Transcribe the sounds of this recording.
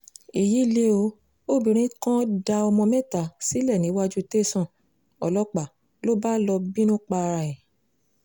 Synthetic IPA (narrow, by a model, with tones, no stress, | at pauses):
i˨ji˨˦˨le˦o˧˦ | o˦˨bĩ˨ɾ̃ĩ˦kã˦da˧ɔ˧mɔ̃˧mɛ̃˦˨ta˨si˨˦lɛ˦˨nĩ˨˦wa˦d͡ʒu˦te˦˨sɔ̃˦˨ | ɔ˨lɔ˦k͡pa˨ | lo˦ba˦lɔ˧bi˦nũ˦k͡pa˧ɾa˧ɛ˨